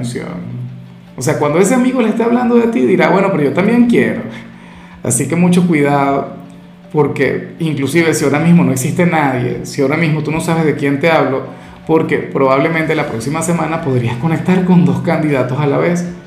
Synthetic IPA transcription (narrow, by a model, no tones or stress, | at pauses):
sjo̰n | ose̞akwand̪o̞e̞se̞amiɣo̞leest̪eaβland̪o̞ðet̪iðiɾaβwe̞no̞peɾo̞ʝot̪ambje̞ŋkje̞ɾo̞̰ | a̰sike̞mut͡ʃo̞kwiðaðo | po̞ɾke̞̰iŋklusiβe̞sioɾamizmono̞eksist̪e̞naðje̞̰sioɾamizmot̪uno̞saβe̞zðe̞kjent̪e̞aβ̞lo̞ | po̞ɾke̞pɾo̞β̞aβ̞le̞mẽnt̪e̞lapɾo̞ksimase̞mãnapo̞ðɾiasko̞nek̚t̪aɾko̞nd̪o̞skand̪iðat̪o̞sala̰βe̞s